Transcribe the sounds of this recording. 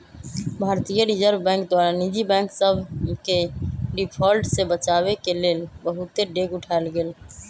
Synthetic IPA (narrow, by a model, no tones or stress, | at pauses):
bʱaːɾt̪ijəɾid͡ʒəɾbbɛ̃ŋkd̪waːɾanid͡ʒibɛ̃ːŋksəbʱkeɖipʰɔːlʈsebət͡ʃawekeleːlbəɦut̪eɖeɡʊʈʰaelɡeːl